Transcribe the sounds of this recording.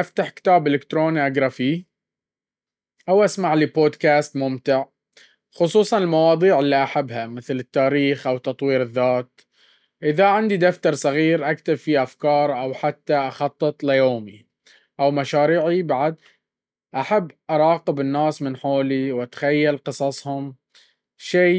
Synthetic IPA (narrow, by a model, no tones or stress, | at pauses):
ʔaft̪aħkɪ̥t̪aːbʔɪlɪkt̪ɾoːniʔaɡɾˤɑfiː | ʔawʔasmaʕliboːd̪kaːst̪mʊmt̪ɪʕ | xʊsˤuːsˤɑnɪlmɑwɑːd̪ˤiːʕɪlːiʔaħabːɦamɪθlɪt̪ːaːɾiːxʔawt̪ɑt̪ˤwiːɾɪðːaːt̪̚ | ʔɪðaʕɪnd̪id̪aft̪ɑɾˤsˤɑɣiːɾʔakt̪ɪbfiʔafkɑːɾˤʔawħat̪ːaʔaxɑt̪ˤːɨt̪ˤlɪjoːmi | ʔawmaʃaːɾiːʕibaʕad̪̚ | ʔaħabːʔɑɾˤɑːqɪbɪnːaːsmɪnħoːliwat̪xajːalqɨsˤɑsˤhʊm | ʃeː